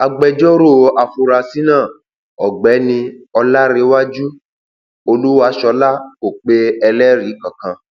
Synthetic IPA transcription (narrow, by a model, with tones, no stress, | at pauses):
a˧ɡ͡bɛ˧d͡ʒɔ˦ɾo˦˨a˨fu˧ɾa˧si˦nãː˦˨ | ɔ˨ɡ͡bɛ˨˦nĩ˧ɔ˧la˦ɾe˧˦wa˦d͡ʒu˦ | o˧lu˦wa˧˦ʃɔ˧˦la˦ko˨k͡pe˧˦ɛ˧lɛ˦ɾi˨˦kã˨kã˧